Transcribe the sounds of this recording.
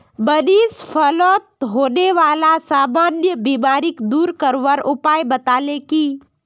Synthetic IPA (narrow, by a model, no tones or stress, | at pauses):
bənispʰəlɔːt̪̚ɦoːneʋaːlasaːmanjəbimaːɾɪkd̪uːɾkəɾʋəɾʊpaːjbət̪aːleki